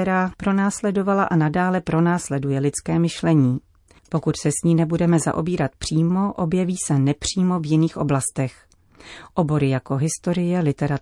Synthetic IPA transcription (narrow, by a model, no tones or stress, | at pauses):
ɛɾaːpɾo̞naːslɛdo̞valaʔanadaːlɛpɾo̞naːslɛdujɛlɪt͡skɛːmɪʃlɛɲiː | po̞kut̪sɛsɲiːnɛbudɛmɛza̰ʔo̞biːɾat̪pr̝̥iːmo̞ʔo̞bjɛviːsɛnɛpr̝̥iːmo̞vjɪniːxʔo̞̰blast̪ɛx | ʔo̞bo̞ɾɪjako̞ɦɪst̪o̞ɾɪjɛlɪt̪ɛɾa